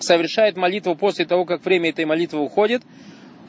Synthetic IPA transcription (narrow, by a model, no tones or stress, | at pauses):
səvʲɪrʂajɪt̪mɐlʲit̪vʊpo̞sʲlʲɪt̪ɐvo̞kakvɾʲemʲəɛt̪əjmɐlʲit̪vɨʊxo̞dʲɪt̪